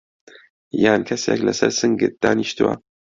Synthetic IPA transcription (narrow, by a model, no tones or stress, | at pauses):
jaːnkʰɐseklɐsɐɾsɨŋɡɨt̪̚d̪̥aːniʃt̪ɨwa̰